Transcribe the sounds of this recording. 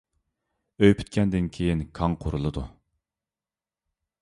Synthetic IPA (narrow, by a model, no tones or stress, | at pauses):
øjpʰy̥t̪̚kʲʰɛnd̪ɪnkʲʰejinkʰɑŋqʰoɾɨlˠɨd̪ṵ